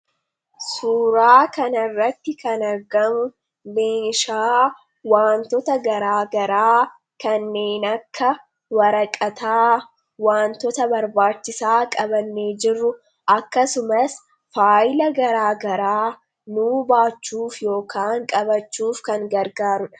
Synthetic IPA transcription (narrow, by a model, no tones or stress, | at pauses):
suːɾaːkɐnɐrːɐt̪ːɪkɐnɐɾɡɐmʊ | meːʃaː | waːnt̪ɔt̪ɐɡɐɾaːɡɐɾaː | kɐnːe̞ːnɐkʰːɐ | wɐɾɐkʼɐt̪aː | waːnt̪ɔt̪ɐbɐɾbaːt͡ʃːɪsaːkʼɐbɐnːeːd͡ʒɪrːʊ | ʔɐkːɐsʊmɐs | faːjɪlɐɡɐɾaːɡɐɾaː | nuːbaːt͡ʃːuːfjo̞ːkaːŋkʼɐbɐt͡ʃːuːfkɐŋɡɐɾɡaːɾʊᶑɐ̥